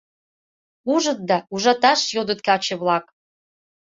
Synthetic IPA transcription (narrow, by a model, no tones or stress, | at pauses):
uʒə̆t̪̚d̪ɑuʒɑt̪ɑʃjod̪ət̪̚kɑt͡ɕĕβlɑk